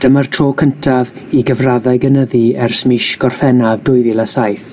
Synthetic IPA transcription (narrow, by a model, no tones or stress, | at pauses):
d̥əmartʰroːkʰəntʰav | iɡəvraðaɨɡənəðiɛrsmɪʃɡ̥ɔrfɛnavdʊɨvɪlˠasajθ